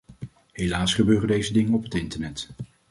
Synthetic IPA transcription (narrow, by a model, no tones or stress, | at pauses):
ɦejlaːsχəbøːrəndejzədɪŋənɔpɦətɪntəɹnɛt